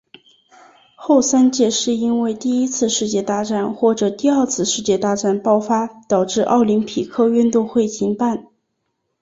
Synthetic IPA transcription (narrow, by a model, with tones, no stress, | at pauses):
xo˥˩ʊsa˥nt͡ɕjɛ˥˧ʂɻ̩˥˩i˥nwe˥˧ɪt̪i˥˩i˥t͡sʰɹ̩˥˧ʂɻ̩˥˧t͡ɕjɛ˥˧t̪a˥˧ʈ͡ʂa˥˩nxwɔ˥˩ʈ͡ʂɤ˨˩t̪i˥˧a˞˥˧t͡sʰɹ̩˥˧ʂɻ̩˥˧t͡ɕjɛ˥˧t̪a˥˧ʈ͡ʂa˥˩npɑ˥˧ʊfa˥t̪ɑ˨˩ʊʈ͡ʂɻ̩˥˧ʔɑ˥˩ʊli˧˥npʰi˨˩kʰɤ˥˧y˥˧nt̪ʊ˥˧ŋxwe˥˩ɪt͡ɕʰi˧˥ŋpa˥˩n